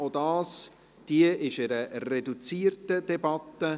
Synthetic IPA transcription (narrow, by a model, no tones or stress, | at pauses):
odɑːs | d̥iəʔɪʃɪɾəredut͡siːrtəd̥ɛbɑt̪ːə